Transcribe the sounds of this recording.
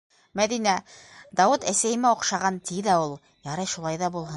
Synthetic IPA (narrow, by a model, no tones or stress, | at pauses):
mæðinæd̪ɑwɘt̪æsæjɘ̆mæoqʃɑʁɑnt̪iðæulˠ | jɑɾɤʃulˠɑjðɑbulˠɦɤ